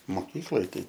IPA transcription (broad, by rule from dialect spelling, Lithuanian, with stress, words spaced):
moːˈkʲiːklˠoːj ˈtɐɪ